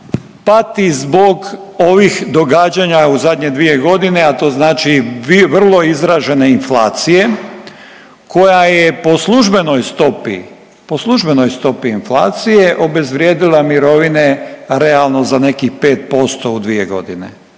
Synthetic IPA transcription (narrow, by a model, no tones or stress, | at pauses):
pat̪izbo̞ɡoʋixd̪o̞ɡaːd͡ʑaɲauzad̪ɲed̪ʋijeɡo̞d̪ine̞at̪o̞ːznaːt͡ʃiʋr̩lˠo̞izɾaʒe̞ne̞inflaːt̪sije̞ | kʰo̞jajepo̞slˠuʒbe̞nojst̪o̞pḭ | po̞slˠuʒbeno̞jst̪o̞piːnflˠa̰ːt̪sijeʔo̞be̞zʋɾjeːd̪ilamiɾo̞ʋine̞ɾealˠnozane̞kipe̞ːt̪̚po̞st̪oud̪ʋijeɡo̞̰d̪inḛ